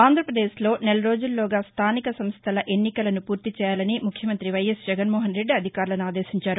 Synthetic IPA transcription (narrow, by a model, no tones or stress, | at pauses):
aːnd̪ʱɾɐpɾɐd̪eːʃlo̞ːnɛlɐɾo̞ːd͡ʒulːoːɡaːst̪ʰaːnikɐsɐmst̪ʰɐlɐʔe̞nːikɐlɐnupuːɾt̪it͡ʃɛːjaːlɐnimukʰjɐmɐnt̪ɾiʋɐjesd͡ʒɛɡɐnmɔːɦɐnɾe̞ɖːɐd̪ʱikaːɾlɐnuaːd̪e̞ːʃiɲt͡ʃaːɾu